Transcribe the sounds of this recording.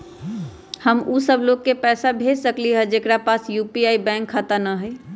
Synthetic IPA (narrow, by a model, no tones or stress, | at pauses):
həmusəbloɡ̚kepɛːsabʱesəkliɦəd͡ʒekɾapasjupiaibɛ̃ŋkʰːat̪ənəɦɛ